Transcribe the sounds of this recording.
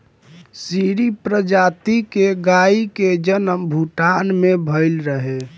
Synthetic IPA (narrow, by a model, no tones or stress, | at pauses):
siɾipɾəd͡ʒat̪ikeɡaiked͡ʒənəmbʱuʈanmebʱəɪlɾəɦe